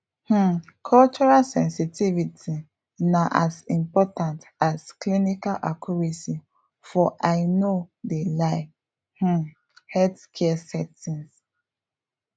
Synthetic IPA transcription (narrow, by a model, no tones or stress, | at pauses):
h̩ | kʰɔlt͡ʃɔɹalsɛ̃nsitivitʰi | naʔasĩmpɔtãntasklinikalʔakʰjuɹesi | fɔʔaɪnodelaɪ | h̩ | hɛtkʰɛsɛtĩns